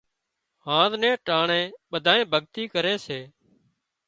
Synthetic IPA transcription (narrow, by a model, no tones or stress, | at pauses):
hãːd̪nɛ̃ːʈaːɳẽːɓəd̪ʱaːẽːbʱəɠt̪iːkəɾeːseː